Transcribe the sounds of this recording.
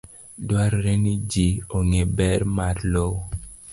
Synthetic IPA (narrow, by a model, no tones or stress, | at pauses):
dwaɾɾenid͡ʒioŋebɛɾmaɾlow